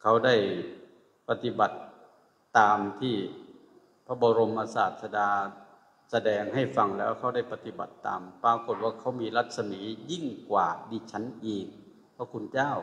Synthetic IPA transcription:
kʰa˧˥˩wda˥˩j | pa˧t̪i˧˦ba˨˩t̪̚ː | aː˨˧mt̪ʰiː˧˩ | pʰa˦˧˥bɔː˨˧ɾo˧mʔaː˧saː˨˩t̪̚sa˧daː˧ | sa˧dɛː˧ŋha˧˥˩jfa˧ŋlɛː˦˥wkʰa˧˥˩wda˥˩jpa˧t̪i˧˦ba̰˨˩t̪ːa̰ː˨mpaː˧ko˨˧˩t̪̚waː˧˩kʰa˦˥˩wmiː˧la˧˩t̪̚sa˧miː˨˩˦ji˥˩ŋkwaː˨˩diː˧t͡ɕʰa˦˥nʔiː˧˩k̚ | pʰa˧˥kʰu˧nt͡ɕaː˥˩˨w

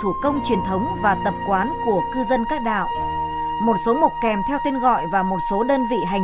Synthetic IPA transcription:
t̪ʰu˧˩kə˧wŋ͡mt͡ɕwi˨˩ənt̪ʰə˨˦wŋ͡mvaː˨˩t̪ə˨˩p̚kwaː˨˦nku˧˩əkɨ˧zə˧nkaː˦˥k̚ɗa̰ː˧˨wʔ | mo˨˩t̚so˨˦mʊ˨˩k͡p̚kɛ˨˩mt̪ʰɛ˧wt̪e˧nɣɔ̰˧˨jvaː˨˩mo˨˩t̚so˨˦ɗəː˧nvḭ˧˨ɦa˨˩

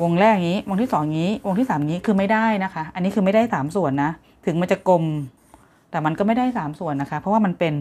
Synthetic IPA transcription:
wo˧ŋɾɛː˥˩kŋiː˦˥wo˧ŋt̪ʰi˥˩sɔː˩˦ŋŋiː˦˥wo˧ŋt̪ʰiː˥˩saː˩˦mŋiː˦˥kʰɯː˧ma˥˩jda˥˩jna˦˥kʰa˦˥ʔa˧nːiː˦˥kʰɯː˧ma˥˩jdaː˥˩jsaː˩˦msu˨˩ənːa˦˥ | t̪ʰɯ˨˩˦ŋma˧nt͡ɕa˨˩ko˧m | t̪ɛː˨˩ma˧nkɔː˥˩ma˥˩jda˥˩jsaː˩˦msu˨˩ənːa˦˥kʰa˦˥pʰɾɔ˦˥wa˥˩ma˧npe˧n

